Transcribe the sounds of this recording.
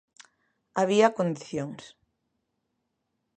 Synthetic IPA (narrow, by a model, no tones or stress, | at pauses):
aβ̞iakond̪iθjoŋs